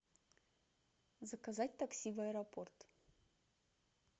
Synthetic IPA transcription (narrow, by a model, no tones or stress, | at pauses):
zəkɐzatʲt̪ɐksʲivɐɛɾɐport̪